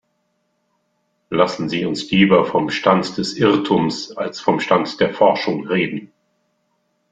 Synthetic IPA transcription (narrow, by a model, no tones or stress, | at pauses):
lasn̩ziːʊnsliːbɐfɔmʃtantd̥ɛsʔɪʁtʰumsalsfɔmʃtantd̥eːɐfɔɐʃʊŋʁeːdn̩